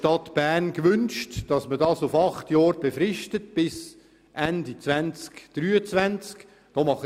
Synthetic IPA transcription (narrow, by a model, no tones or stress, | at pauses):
tɑtb̥æːrnkʋʏnʃtd̥ɑsmədɑːsufɑχtjɑːɾb̥efrɪʃtət̚b̥ɪs | ʔændit͡svænt͡skd̥ryːət͡svænt͡sk | d̥ɔːmɑχ